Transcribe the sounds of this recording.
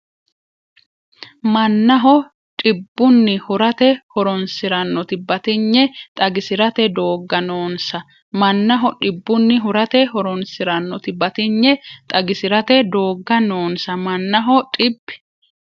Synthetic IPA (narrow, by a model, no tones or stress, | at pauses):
mɐnːɐɦɔ | ᶑʼɪbːʊnːɪhʊɾɐt̪ɛhɔɾɔnsɪɾɐnːɔt̪ɪbɐt̪ɪɲːɛt̪ʼɐɡɪsɪɾɐt̪ɛd̪o̞ːɡːɐnoːnsɐ | mɐnːɐɦɔᶑɪbːʊnːɪɦʊɾɐt̪ɛhɔɾɔnsɪɾɐnːɔt̪ɪbɐt̪ɪɲːɛt̪ʼɐɡɪsɪɾɐt̪ɛd̪o̞ːɡːɐno̞ːnsɐmɐnːɐɦɔtʼɪbːɪ̥